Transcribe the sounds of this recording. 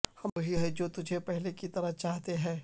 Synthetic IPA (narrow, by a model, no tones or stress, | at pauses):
hɐmɐɦiɦɛd͡ʒoːt̪ʊd͡ʒʱepɛɦlekit̪ɐɾət͡ʃaːɦt̪eɦɛ̃ː